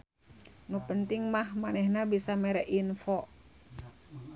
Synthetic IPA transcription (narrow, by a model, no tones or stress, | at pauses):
nupənt̪iŋmahmanɛhnabisamɛɾɛʔinfɔ